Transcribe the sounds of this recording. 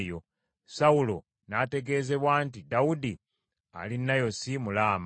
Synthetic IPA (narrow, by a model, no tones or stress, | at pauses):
jo̞ | sawulo̞ | nate̞ɡe̞ːze̞βwaːntidaudi | a̰linːajo̞simulaːm